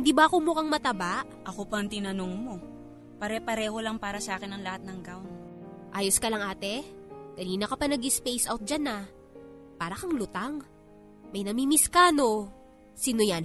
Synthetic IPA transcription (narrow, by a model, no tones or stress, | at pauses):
hɪnd̪iːbɐɐkomʊkɐŋmɐt̪ɐbaʔ | ʔɐkopɐŋt̪ɪnɐnoŋmo̞ | pɐɾɛpɐɾɛːho̞lɐŋpaːɾɐsaːkɪnɐŋlɐhat̪̚nɐŋɡawnʔaːjoskɐlɐŋʔaːt̪ɛkɐniːnɐkɐpɐnɐɡɪspɛjsʔawt̪̚d͡ʒanɐ | paːɾɐkɐŋlʊt̪aŋ | mɐjnɐmimɪskaːno̞ | sinʊjan